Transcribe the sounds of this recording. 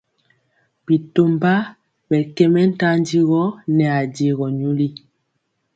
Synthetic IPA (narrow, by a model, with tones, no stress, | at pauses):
bi˨to˦mba˦ | bɛ˨kɛ˦mɛ˦n̩˦ta˦n˦di˦ɣɔ˦nɛ˨a˨de˨ɣɔ˨ɲu˦li˦